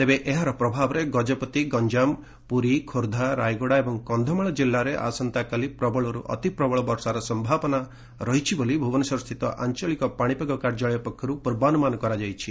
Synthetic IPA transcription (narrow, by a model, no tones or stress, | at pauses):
t̪ebeʔeɦaɾɔpɾɔbʱabɔɾeɡɔd͡ʒɔpɔt̪iɡɔɲd͡ʒam | puɾikʰoɾd̪ʱaɾa̰jɡoɽaebɔŋkɔnd̪ʱɔmaɭɔd͡ʒilːaɾeʔa̰sɔnt̪akalipɾɔbɔɭɔɾṵʔɔ̰t̪ipɾɔbɔɭɔbɔɾsaɾɔsɔmbʱapɔna | ɾɔɦit͡ʃʰibolibʱubɔnɔsɔɾɔst̪ʰit̪ɔ̰ʔa̰nt͡ʃɔɭikɔpaɽ̃ipeɡɔkaɾd͡ʒaɭɔjɔpɔkʰːjɔɾupuɾbanumanɔkɔɾad͡ʒajt͡ʃʰi